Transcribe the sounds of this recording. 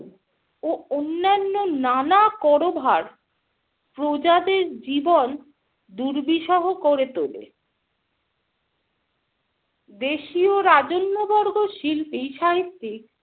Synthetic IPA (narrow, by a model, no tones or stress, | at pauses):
oonːanːonanakɔɾobʱaɾ | pɾod͡ʑad̪eɾd͡ʑibon | d̪uɾbiʃɔɦokoɾet̪olḛ | d̪eʃioɾad͡ʑonːobɔɾɡoʃilpiʃaɦit̪ːik̚